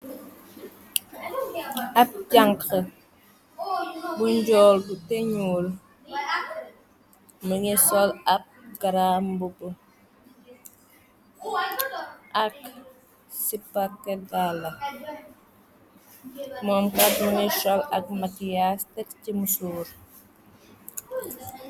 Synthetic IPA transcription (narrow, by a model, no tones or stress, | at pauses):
ap̚ɟaŋkxə | buɲɟɔːldutɛɲuːl | məŋɛsɔlap̚ɡaɾambubə | ʔɐk | sipːakɛɡalɐ | mɔːmkat̚muŋɛʃɔlɐk̚makijastɛkcimusuːɾ